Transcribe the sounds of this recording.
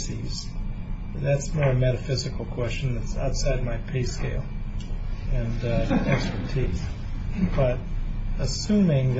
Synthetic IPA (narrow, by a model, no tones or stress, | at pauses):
siz̥ | ðætsmɔɹɨmɛɾɨfɪzɨkl̩ˠkʰw̥ɛst͡ʃn̩ðɨtsa̰ʊtsaɪd̚maɪpʰeɪskeɪlˠ | ɨ̃nɛkspə˞tʰiz̥ | b̥ʌɾəsʉ̃mɪ̃ŋð